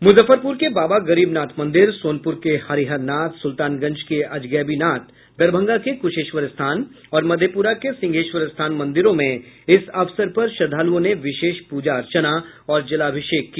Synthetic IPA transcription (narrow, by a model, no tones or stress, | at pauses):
mʊzəfəɾpʊɾkebaːbaɡɐɾiːbnaːt̪ʰmɐ̃nd̪ɪɾsoːnpʊɾkehaɾiɦəɾnaːt̪sʊlt̪aːnɡɐ̃ɲd͡ʒkeɐd͡ʒɡɛːbinaːt̪ | d̪ɐɾbʱə̃ŋɡakekʊʃeːʃʋəɾɪst̪ʰaːn | ɔːɾmɐd̪ʱjəpuːɾakesɪ̃ŋɡʱeːʃʋəɾɪst̪ʰaːnmɐ̃nd̪ɪɾõmẽɪsɐʋsəɾpɐɾʃɐd̪ʱaːluõneʋɪʃeːʃpuːd͡ʒaɐɾt͡ʃənaɔːɾd͡ʒɐlaːbʱɪʃeːkːi